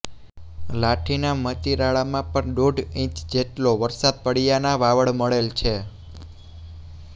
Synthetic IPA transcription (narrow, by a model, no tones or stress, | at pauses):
laʈʰinamət̪iɾaɭamãpəɳɗoɖĩt͡ʃd͡ʒeʈloʋəɾsad̪̚pəɽijanaʋaʋəɭməɭelt͡ʃʰe